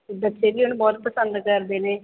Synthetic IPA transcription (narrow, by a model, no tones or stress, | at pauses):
bətːʃeːliːʊnbɔːt̪̚pəsənd̪kəɾd̪eːneː